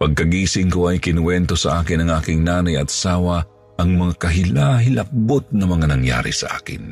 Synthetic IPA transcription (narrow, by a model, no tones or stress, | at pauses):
pɐɡ̚kɐɡiːsɪŋkoʔɐjkɪnwɛnt̪o̞sɐʔaːkɪnɐŋʔaːkɪŋnaːnɐjɐt̪̚ɐ̥saːwɐ | ʔɐŋmɐŋakɐɦɪlaɦɪlɐp̚bot̪̚nɐmɐŋanɐŋja̰ːɾɪ̰sɐ̰ʔa̰ːkɪ̰n